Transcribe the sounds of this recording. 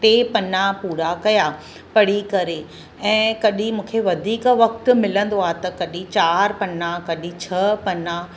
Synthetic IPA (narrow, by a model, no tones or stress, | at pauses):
ʈeːpɐnapuːɾakɐja | pɐɽ̤ikɐɾe | ɛ̃ːkɐɗĩmũːkʰeʋɐd̪ʱiːkʋɐk̚t̪ʊ̆mɪlə̃nd̪oaːɦt̪ɐkɐɗĩt͡ɕaːɾpɐnakɐɗĩt͡ɕʰɐpɐna